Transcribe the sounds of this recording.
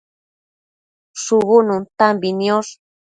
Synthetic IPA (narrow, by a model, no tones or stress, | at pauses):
suβununt̪ambinios